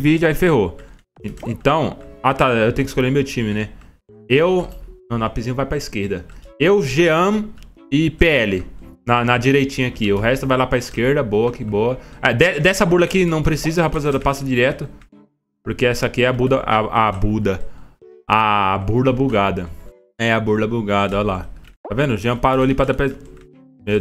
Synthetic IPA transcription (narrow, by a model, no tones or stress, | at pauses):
vid͡ʒʊaifeɦõ | ẽt̪ɐ̃w̃at̪aewt̪ẽj̃ʊkɪskolʎeɾmewt͡ʃĩmɪnɛ | ewnɐ̃w̃nɐ̃pizĩɲɐvajpɾɐiskeɾd̪ɐewʒeɐ̃m | ɪpeɛlɪnɐnɐd͡ʒiɾejt͡ʃĩɲɐakiʊɦɛst̪ʊvajlapɾɐiskeɾd̪ɐbowɐkɪboɐɛd̪ɛd̪ɛsɐbuɾlɐkinɐ̃w̃pɾesizɐehapazɛlɐpasɐd͡ʒiɾɛt̪ʊ | poɾkeɛsɐakiɛɐbud̪ɐʔa̰ʔabud̪ɐ | abuɾlɐbuɡad̪ɐ | ɛɐbuɾlɐbuɡad̪ɐalat̪avẽnd̪ʊʒeɐ̃paɾoalipɾɐd̪apɾɛ | mej